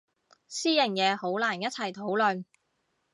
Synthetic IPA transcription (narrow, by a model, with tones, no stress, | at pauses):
siː˥jɐ˨˩ŋjɛː˨˧ho˨˥wlaː˨˩njɐ˥t̚t͡sʰɐ˨˩jt̪ʰo˨˥wlɵ˨n